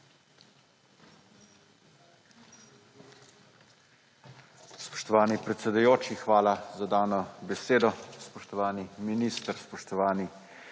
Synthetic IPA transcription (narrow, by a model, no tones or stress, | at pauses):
spɔ̥ʃt̪ɔʋaːnipɾɛt̪sɛd̪ujoːt͡ʃixʋaːlazad̪aːnɔbɛseːd̪ɔspɔʃt̪ɔʋaːniminiːst̪əɾspɔʃt̪ɔʋaːni